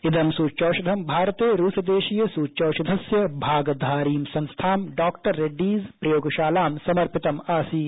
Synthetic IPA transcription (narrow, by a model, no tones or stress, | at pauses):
ɪd̪ʱɐmsuːt͡ʃoːʃɐd̪ʱɐmbʱaːɾɐt̪eːɾuːsɐd̪eːʃijɐsuːt͡ʃoːʃɐd̪ʱɐsjɐbʱaːɡd̪ʱaːɾiːmsɐ̃ŋst̪ʰaːmɖaːkʈɐɾːeɖiːzpɾɐjoːɡʃaːlaːmsɐmɐɾpɪt̪ɐmaːsiː